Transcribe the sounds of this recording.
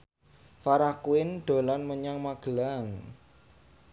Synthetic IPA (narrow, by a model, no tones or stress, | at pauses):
faɾahkuɪnɖ̪̥o̤lanməɲaŋmaɡ̥əlaŋ